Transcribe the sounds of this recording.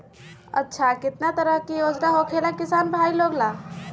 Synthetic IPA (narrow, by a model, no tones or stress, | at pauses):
ə̰tːʃʰakɪt̪nat̪əɾəɦkijod͡ʒnaɦokʰelakisanbʱailoɡla